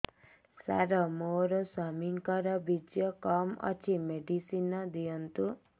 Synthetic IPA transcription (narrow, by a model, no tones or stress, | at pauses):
sa̰ɾɔmoɾɔswamiŋkɔɾɔbid͡ʒjɔkɔmɔ̰t͡ʃʰimeɖisinɔd̪ijɔnt̪u